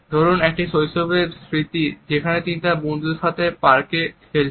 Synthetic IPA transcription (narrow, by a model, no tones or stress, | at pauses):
d̪ʱɔɾonek̚ʈiʃojʃobeɾsɾit̪id͡ʑekʰanet̪init̪aɾbond̪uɾkat̪epaɾkefʰel